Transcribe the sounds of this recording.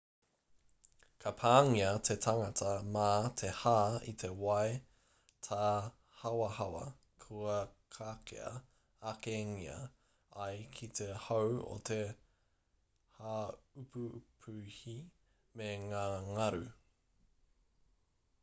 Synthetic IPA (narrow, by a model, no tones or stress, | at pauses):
kʰɐpʰaːŋiɐt̪ʰetʰaŋɐtʰɐmaːt̪ʰehaːḭt̪ʰe̞wɐe | tʰaː | hɐwɐhɐwɐ | kʰuɐkʰaːkʰḛɐ̰ | akeŋiɐ̰ | ɐjkʰit̪ʰehowo̰t̪ʰe | haupʰupʰʉhi | meŋaːŋɐɾʉ